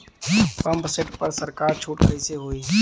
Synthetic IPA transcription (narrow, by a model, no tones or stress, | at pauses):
pɐ̃mpseʈpɐɾsəɾkaːɾt͡ʃʰuːʈkəiseɦoːiː